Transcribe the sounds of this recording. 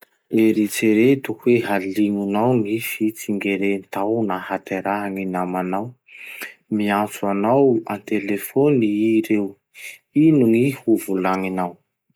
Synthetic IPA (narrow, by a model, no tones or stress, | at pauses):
eɾit͡seɾet̪ukuweɦaliŋunawŋifit͡siŋɡeɾent̪awnahat̪eɾaɦaŋinamanaw | miat͡suanawant̪elefoniiɾew | inuŋihuvulaŋinaw